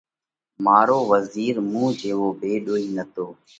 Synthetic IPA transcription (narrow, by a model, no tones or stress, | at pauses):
maːɾoːʋəziːɾmũːd͡ʒeːʋoːbeːɗoːiːnət̪oː